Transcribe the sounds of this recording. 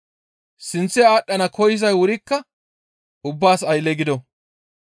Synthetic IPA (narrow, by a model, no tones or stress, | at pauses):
sɪnt͡sːɛaːɗːɐnɐkɔjɪz̬ɐjwʊɾɪkːɐ | ʊbːaːsɐjlːɛɡɪd̪ɔ